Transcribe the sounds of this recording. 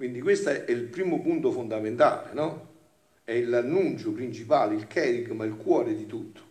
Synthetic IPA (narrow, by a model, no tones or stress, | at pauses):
kwind̪ikwest̪aɛɛilpɾiːmʊpunt̪ʊfond̪ament̪a̰ːlḛnɔ | ɛilanːunt͡ʃʊpɾint͡ʃipaːleilkʰɛːɾikmailkwɔːɾed̪it̪ut̪ʰːo̥